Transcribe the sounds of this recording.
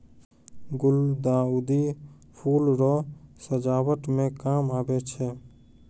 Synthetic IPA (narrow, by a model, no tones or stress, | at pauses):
ɡʊld̪aːud̪i | pʰuːlɾɔsəd͡ʒaːwəʈmẽkaːmaːbet͡ʃʰɛ